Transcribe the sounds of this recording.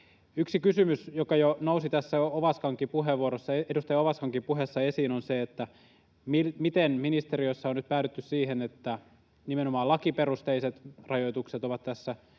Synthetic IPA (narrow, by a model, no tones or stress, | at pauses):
yksikysymysjokɑjonousit̪æsːæooʋɑskɑŋkipuɦeʋuoɾosːɑeedust̪ɑjɑoʋɑskɑŋkipuɦesːɑesiːnonseet̪ːæ | milmit̪enminist̪eɾioisːɑonyt̪̚pæːtyt̪ːyssiːɦenet̪ːæ | nimenomɑːlɑkiperust̪eiset̪rɑjoit̪ukset̪oʋɑt̪t̪æsːæ